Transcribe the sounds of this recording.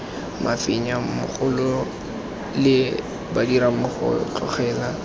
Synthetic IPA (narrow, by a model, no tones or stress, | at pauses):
mafɪɲamʊ̰χʊlʊ | lɪ | badiɾamʊχʊ̰t͡ɬʰɔ̰χɛːla